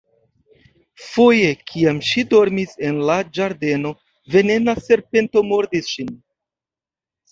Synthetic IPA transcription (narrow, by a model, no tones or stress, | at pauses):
fojekʰiamʃido̞ɾmise̞nlad͡ʒaɾde̞no̞ | ve̞ne̞nase̞ɾpe̞nto̞mo̞ɾdisʃin